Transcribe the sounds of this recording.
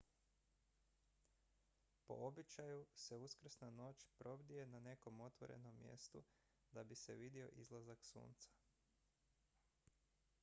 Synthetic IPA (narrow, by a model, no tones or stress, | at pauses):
po̞̰obit͡ʃajuse̞uskr̩snano̞ːt͡ʃpɾo̞bd̪ije̞nane̞ko̞mo̞t̪ʋo̞̰ɾe̞̰no̞mːje̞̰st̪u | d̪abiseʋid̪io̞̰ʔḭzlˠazaksṵːnt̪sḁ